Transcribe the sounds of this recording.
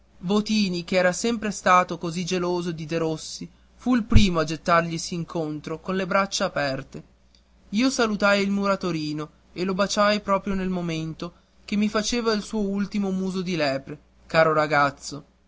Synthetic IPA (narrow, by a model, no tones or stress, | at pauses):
vot̪iːnikeɛːɾasɛmpɾest̪aːt̪okozid͡ʒeloːzoed̪id̪eɾosːi | fuilpɾiːmoad͡ʒet̪ːarʎisiːŋkʰont̪ɾokonlebɾat͡ʃːaːpɛrt̪e | iːosalut̪ajilmuɾat̪oɾiːno | elobat͡ʃajpɾɔːpɾjonelmoment̪o | k̟emːifat͡ʃeːvailsuːoult̪imomuːzod̪ilɛːpɾe | kaːɾoɾaɡat̪sːo